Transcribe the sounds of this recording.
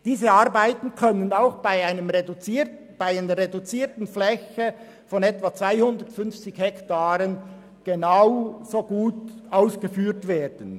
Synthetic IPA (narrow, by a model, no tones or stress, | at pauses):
d̥iːzəaʁbaɪtn̩kʰœnənaʊxb̥aɪaɪnəmʁedt͡si | b̥aɪaɪnəɾʁedut͡siːɐtn̩flɛçe | fɔnɛtvat͡sv̥aɪhʊndətfʏnft͡sɪçhɛktaːɾən | ɡ̥enaʊzoːɡ̥uːtʔaʊsɡ̥əfyːɾtveːd̥ən̩